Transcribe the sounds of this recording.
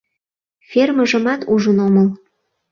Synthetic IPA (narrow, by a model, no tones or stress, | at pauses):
ferməʒəmɑt̪uʒənoməl